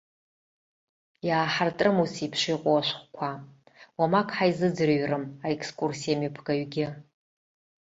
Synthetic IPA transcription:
jaːħartʼrɨmusipʰʃijqʼowaʃʷχʷkʷʰa | wamakʰʼħajzɨd͡zrɥrɨmaekʰskʼursijamɨpʰɡ̥aɥɡʲɪ

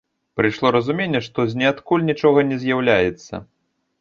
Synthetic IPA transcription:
pɾɨʂlˠɔɾɐzumʲenʲːɛʂt̪ɔzʲnʲɛat̪kulʲnʲit͡ʂɔɣɐnʲɛzʲjawlʲajɛt̪sːɐ̰

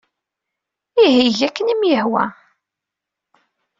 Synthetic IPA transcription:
iɦiʝækːənimjəhwæ̰

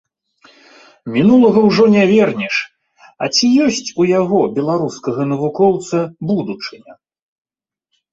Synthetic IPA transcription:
mʲinulˠɐɣɐwʐɔnʲavʲɛrnʲiʂ | ɐt͡sʲijɔsʲt͡sʲujaɣɔbʲɛlˠaɾuskɐɣɐnɐvukɔwt̪sɐbud̪ut͡ʂɨnʲɐ

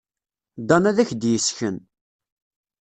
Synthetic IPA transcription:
d̪ɑnæðæçd̪jəsçən

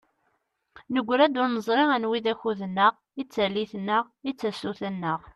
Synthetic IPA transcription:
nəɡʷːɾæd̪ʊɾnəzˤɾɪʁænwiðæçuðənːəʁ | it͡sːælːiθnəʁ | it͡sːæsuθænːəʁ

